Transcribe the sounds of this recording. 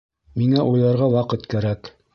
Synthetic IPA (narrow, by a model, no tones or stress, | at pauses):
miŋæʔujlˠɑɾʁɑwɑqɤt̪kæɾæk